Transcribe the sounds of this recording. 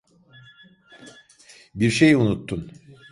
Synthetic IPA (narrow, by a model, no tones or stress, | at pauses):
biɾʃejunut̪ːun